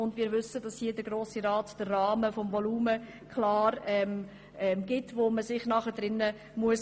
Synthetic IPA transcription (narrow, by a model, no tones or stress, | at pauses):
ʊndmɪːɾʋʏsədɑshiədəɡɾoːsiɾɑːtd̥ərːɑːməfɔmvɔluːmə | kʰlɑːɾɛm | ɛmɡ̥ɪtvoːməsɪχnɑχədɾɪnːə | muəs